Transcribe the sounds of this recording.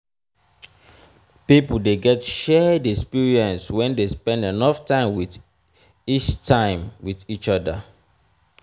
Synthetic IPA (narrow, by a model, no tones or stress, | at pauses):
pipl̩deɡɛtʃɛdɛkspiɹiɛ̃nswɛ̃ndespɛ̃ndenɔftãɪ̃mwið | it͡ʃtʰãɪ̃mwiðit͡ʃɔdə